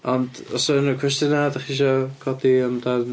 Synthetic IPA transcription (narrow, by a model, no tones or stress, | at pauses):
ɔndɔsɔnəkʰw̥ɛstjənadaχiʃ̬ɔkʰɔdiəmdan